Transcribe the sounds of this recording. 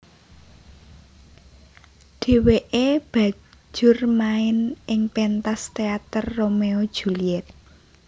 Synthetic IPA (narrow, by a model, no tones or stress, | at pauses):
ɖ̥e̤weʔeb̥ä̤̥d͡ʒ̥ʊrmaɪnʔɪŋpent̪ast̪eat̪ərːomeod̥ʒ̥uliɛt̪̚